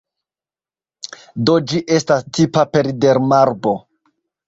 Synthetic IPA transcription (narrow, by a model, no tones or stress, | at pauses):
dod͡ʒiʔe̞stastʰipape̞ɾide̞ɾmaɾbo̞